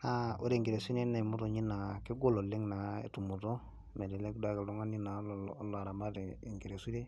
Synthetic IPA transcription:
a˦o˦ɾe˨ŋɡi˨ɾe˨si˦ne˦na˨mo˦to˨ɲi˦na˨kɪ˦ɡo˦lo˨le˦ŋna˨ḛ˨tu˨mu˨to˦ | me˨de˨le˦kda˦ke˨lo˦ŋa˦ni˦na˨˦lla˨ɾa˨ma˦de˨ŋɡi˨ɾe˨su˦ɾe˦

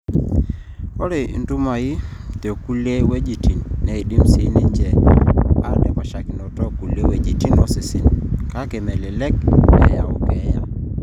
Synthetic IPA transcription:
ɔ˦ɾe˨ndu˦ma˨i˦te˨ku˦le˦we˦d͡ʒi˨ti˨nːɛ˨i˨di˦msi˨˦ni˦ɲd͡ʒɛ˨ | a̰˦ɾnɛ˨pa˨ʃa˨ki˨nɔ˨tɔ˦ku˨le˦we˦d͡ʒi˨ti˦nɔ˨si˨sḭ˨nka˦ke˨mɛ˨lɛ˨lɛ˦k̚ɛ̰˦ja˨ɔ̰˨kɛ˦ja˦

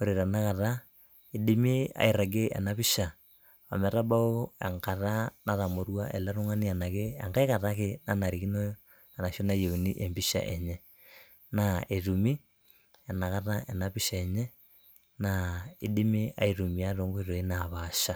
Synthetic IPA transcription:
o˨ɾe˨ɾa˨na˦ka˨ɾa˦ | i˦ɗi˦mi˦a̰˨i˨ɾa˨ɡe˦ʔa̰˨na˨βi˦ʃa˨ | a̰˨mɛ˨ɾa˦ba˦o˦ḛ˨ŋka˨ɾa˦na˦ða˨mo˨ɾwa˦ʔḛ˨la˦ɾo˦ŋa˦ni˦a˨na˨ke˦a˨ŋɡa˦ka˨ɾa˦ke˦na˦na˨ɾi˨ki˦no˦ | a˨na˨ʃo˦na˦je˨u˨ni˦ʔe˨mbi˦ʃa̰˨ʔe˨ɲɛ˦ | na˨e˨ɾu˨mi˦ | a˨na˨ka˦ɾa˦e˨na˨βi˦ʃa˨ɛ˨ɲɛ˦ | nai˦di˦mi˦a̰˦iɾu˨mi˨a˦ɾo˨˦ŋɡo˦e˦ɾo˨e˦na˨βaʃa˦

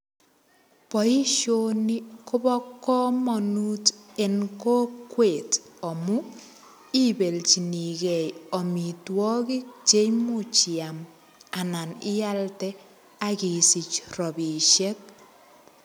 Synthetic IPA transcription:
pɔ˨i˦ʃoni˦kʊ˦bɔ˦kːɔ˦mɔ˨nu˦te˨nko˦kːwe˨t | ɔ˨mu | i˦be˨lt͡ʃi˨ni˨kɛ˨jɔ˨mi˨twɔ˦ki˦k̚t͡ʃe˦jmut͡ʃi˨am | a˨na˨nɪ˦ja˦ltɛ˦ | aki˨si˨t͡ʃrɔ˨bi˨ʃe˦k̚

